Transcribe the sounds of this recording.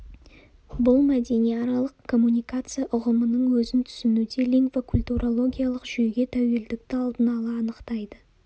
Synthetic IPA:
bʊlˠmæd̪e̞nijɑɾɑlˠəqkʰo̞mːunʲijkat̪sɨjaʔʊʁəmənəɴwɵzɪnt̪ʰʏ̥sɪnud̪e̞liŋkvokʰʊlʲt̪uɾʔolˠo̞ɡʲijalˠəqʒ̥yjɡʲe̞t̪ʰæwe̞ld̪ɪk̚t̪ɪɑlˠd̪ənɑlˠɑːnəqt̪ɑjd̪ə

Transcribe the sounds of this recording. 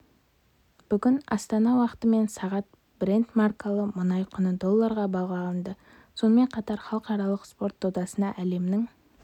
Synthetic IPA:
b̥ʏɡʲɪnɑ̰st̪ɑnɑwɑqə̥t̪əme̞nsɑʁɑt̪̚ | bɾent̪markalˠəmʊnɑjqʰʊnəd̪o̞lˠːəɾʁɑbɑʁɑlˠənd̪ə | so̞nəme̞ɴqʰɑt̪ɑɾχɑlˠəqɑɾɑlˠəqspo̞rt̪̚od̪ɑsənɑʔæle̞mnɪŋ

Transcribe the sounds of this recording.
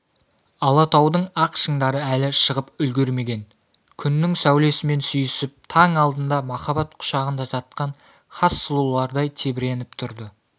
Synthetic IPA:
ɑlˠɑt̪ʰɑwd̪əɴɑqʃəɴd̪ɑɾəælɪʃəʁəpʏlɡʲe̞ɾme̞ɡʲe̞n | kʲʰʏnːɪŋsæwle̞sɪme̞nsyjʏsɪp̚t̪ʰɑŋɑlˠd̪ənd̪ɑmɑχɑbɑt̪qʰʊ̥ʃɑʁənd̪ɑʒɑt̪̚qɑɴ | χɑsːʊlˠulˠɑɾd̪ɑjt̪ʰe̞bɪɾe̞nɪpt̪ʰʊɾd̪ə

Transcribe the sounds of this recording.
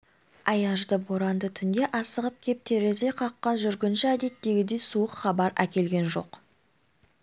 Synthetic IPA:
ɑjɑʒd̪əboɾɑnd̪ət̪ʰʏnd̪e̞ʔɑsəʁəp̚kʲʰe̞p̚t̪ʰe̞ɾe̞ze̞qʰɑqːɑnʒʏɾɡʲɪnʃɪæd̪e̞t̪ːe̞ɡʲɪd̪e̞jsuəqχɑbɑɾækʲe̞lɡʲe̞nʒo̞̰q

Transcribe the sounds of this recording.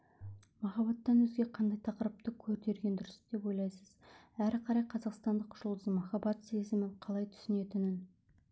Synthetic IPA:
mɑχɑbɑt̪ːɑnwɵzɡʲe̞qʰɑnd̪ɑjt̪ʰɑqəɾəp̚t̪əkʲʰɵɾt̪e̞ɾɡʲe̞nd̪ʏɾəsd̪̥e̞pwo̞jlˠɑjsəz̥æɾqʰɑɾɑjqʰɑzɑqst̪ɑnd̪əqʰʒʊlˠd̪əzəmɑχɑbɑt̪se̞zɪmɪɴqʰɑlˠɑjt̪ʰʏ̥sɪne̞t̪ɪnɪn

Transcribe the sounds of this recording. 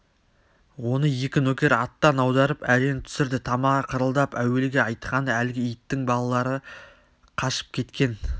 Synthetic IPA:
wo̞nəje̞kʲɪnɵkʲe̞ɾɑt̪ːɑnɑwd̪ɑɾəpæɾe̞nt̪ʰʏ̥sɪɾd̪ɪt̪ʰɑmɑqʰəɾəlˠd̪ɑpæwe̞lɡʲeɑjt̪qɑnælɡʲɪijt̪ːɪŋbɑlˠɑlˠɑɾə | qʰɑʃə̥p̚kʲʰe̞t̪kʲe̞n

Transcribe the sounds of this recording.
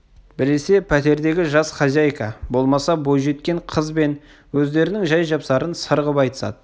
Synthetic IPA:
bɪɾese̞pʰæt̪e̞ɾd̪e̞ɡʲɪʒɑsχɑzʲajkɑbo̞lˠmɑsɑbo̞jʒe̞t̪kʲe̞ɴqʰəzbe̞n | wɵzd̪e̞ɾɪnɪŋʒɑjʒɑpsɑɾənsəɾʁəpɑjt̪ə̥sɑ̰d̪ə

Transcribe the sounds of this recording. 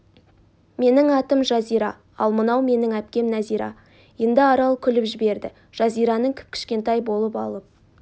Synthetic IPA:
me̞nɪŋɑt̪əmʒɑzijɾɑ | ɑlˠmənɑwme̞nɪŋæp̚kʲe̞mnæzijɾɑ̰ | jend̪ɪɑɾɑlˠkʲʰʏlɪpʒɪbe̞ɾd̪ɪ | ʒ̥ɑzijɾɑnəŋkʲʰɪ̥p̚kʲʰɪ̥ʃkʲe̞nt̪ɑjbo̞lˠəpɑ̰lˠəp̚

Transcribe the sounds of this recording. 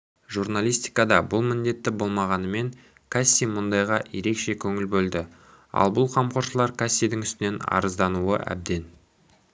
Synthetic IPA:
ʒurnalʲijst̪i̥jkɑd̪ɑbʊlˠmɪnd̪e̞t̪ːɪbo̞lˠmɑʁɑnəme̞ŋ | kʰasʲːijmʊnd̪ɑjʁɑje̞ɾe̞kʃe̞kʲʰɵŋɪlbɵld̪ɪ | ɑ̰lˠbʊlˠqʰɑmqoɾʃəlˠɑɾkʰasʲːijd̪ɪŋʏst̪ɪne̞nɑ̰ɾəzd̪ɑnuə̰ʔæ̰b̚d̪e̞n

